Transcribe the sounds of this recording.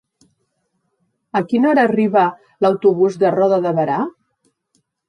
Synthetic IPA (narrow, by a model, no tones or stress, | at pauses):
əkinɔɾəːriβə | ləwt̪uβuzðərɔðəðəβəɾa